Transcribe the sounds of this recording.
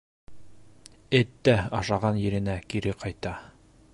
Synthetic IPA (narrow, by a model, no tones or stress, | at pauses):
ɘt̪ːæɑʃɑʁɑnjɘ̆ɾɘ̆nækiɾɘqɑjt̪ɑ